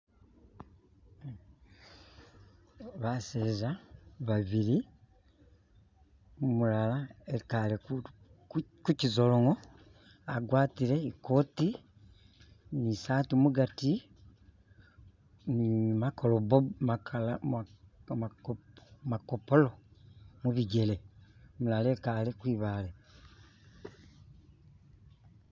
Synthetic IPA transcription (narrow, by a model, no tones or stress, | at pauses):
βaseːzaβaβiɾi | mumulalaeikale | kkucizo̞loŋo | aɡwaːtiɾe̞iko̞ːti | nisaːtumuɡati | nimakolobomakal | makopolomuβiɟe̞le̞mulalekalekwiːβale